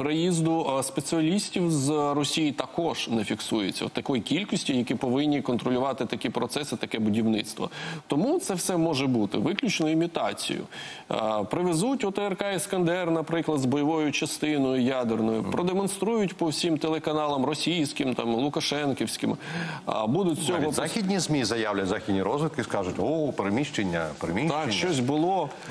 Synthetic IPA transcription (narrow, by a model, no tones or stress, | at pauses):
pɾejizd̪ʊspet͡sʲsʲɨɐlʲisʲtʲiwzrɔsʲijit̪ɐkɔʒ̥nɛfʲiksujet͡sʲːɐ̰wt̪ɐkɔjkʲilʲkɔsʲtʲijɐkʲipɔʋɪnʲːikɔnt̪ɾɔlʲʊʋɑt̪ɪt̪ɐkʲipɾɔt̪sɛsɪt̪ɐkɛbʊdʲiwnɪt̪st̪ʋɔ̰t̪ɔmut̪sɛwsɛmɔʒɛbut̪ɪ̰ʋɪklʲʊt͡ʃnɔimʲit̪ɑt͡sʲḭjʊ̰ | pɾɪʋezutʲɔt̪eɛrkɑiskɐnd̪ɛrnɐpɾɪklˠɐd̪zbɔjɔʋɔjʊt͡ʃɐst̪ɪnɔjʊjad̪ernɔjʊ̰ppɾɔd̪emɔnst̪ɾujʊtʲpɔwsʲimt̪elˠekɐnɑlˠɐmrɔsʲijsʲkɪmt̪ɑmlˠʊkɐʃɛnkʲiwsʲkɪm̰ | bud̪ʊt̚ʲt͡sʲɔɦɔzaxʲidʲnʲizmʲizɐjawlʲɐtʲzaxʲidʲnʲiɾɔzʋɪt̪̚kɪskɑʒʊtʲɔpeɾemʲiʃt͡ʃenʲːɐ̰pɾemʲit̪ɑkʲt͡ʃt͡ʃɔsʲbʊlˠɔ